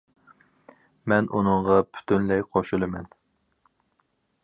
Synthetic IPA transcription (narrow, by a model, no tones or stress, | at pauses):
mɛnʔunɨɴʁɑpʰy̥t̪ʰynlɛjqʰoʃulˠɨmɛn